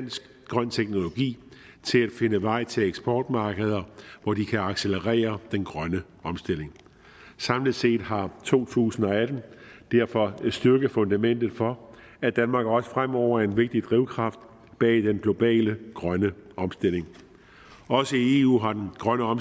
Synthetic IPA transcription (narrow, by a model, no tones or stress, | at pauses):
n̰sɡ̥ | ɡ̥ʁɶn̰t͡sʰeɡ̥no̝lo̝ɡ̥ḭː | t͡sʰe̝læd̥fe̝nəʋɑ̈ɪ̰t͡sʰe̝leɡ̥sb̥ɒːd̥mɑ̈ːɡ̥əð̞ˠɐʋɒd̥ikʰæɑ̈ɡ̥seləʁɛ̰ːɐd̥enɡ̥ʁɶnə | ɒ̽msd̥el̰e̝ŋ | sɑ̈mlið̥ˠse̝̰ːd̥ɦɑ̈t͡sʰo̝̰ːt͡sʰṵːsn̩ɒ̽æd̥n̩d̥æɐ̰fɒ̽sd̥yɐɡ̥əfɔ̽nd̥æmen̰d̥ð̩ˠfɒ̽ | æd̥ænmɑ̈ːɡ̥ɒ̽sə̥fʁam̰ɒʊ̰ɐe̝nʋe̝ɡ̥̚d̥id̥ʁiʊkʰʁɑ̈fd̥ | b̥ɛ̰ːd̥enɡ̥lo̝b̥ɛ̰ːləɡ̥ʁɶnəɒ̽msd̥e̝le̝ŋ | ɒ̽səie̝ṵːɦɑ̈d̥enɡ̥ʁɶnəɒ̽m